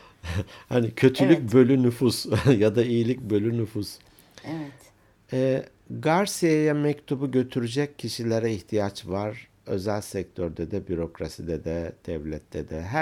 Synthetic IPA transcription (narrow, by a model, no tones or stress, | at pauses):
hanicʰø̞t̪ʰylʲyc̚bø̞lʲynyfusjad̪aijilʲic̚bø̞lʲynyfus | ɛ | ɛ | ɡaɾsijajamɛct̪ʰubuɟø̞t̪ʰyɾyd͡ʒɛcʰːiʃilʲeɾɛiçt̪ʰijat͡ʃvaɾ̥ | ø̞̰zælʲsɛc̚t̪ʰøɾd̪ɛd̪ɛbyɾo̞kɾasid̪ɛd̪ɛd̪̥ɛvlʲɛt̪ʰːɛd̪ɛɦæ